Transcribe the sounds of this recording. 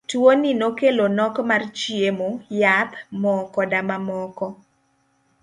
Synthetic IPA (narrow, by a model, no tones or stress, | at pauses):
twoninokelonɔkmart͡ʃiemojat̪mɔkɔdamamɔkɔ